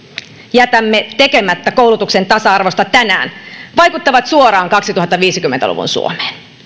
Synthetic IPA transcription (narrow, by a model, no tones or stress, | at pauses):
jæt̪æmːet̪e̞kemæt̪ːækowlut̪ukse̞nt̪ɑsɑɑrʋo̞st̪ɑt̪ænæ̰ːnʋɑjkut̪ːɑʋɑt̪suoɾɑːŋkɑksit̪uhɑt̪ːɑʋiːsikymːent̪æ̰lṵʋṵnsṵo̰me̥ːn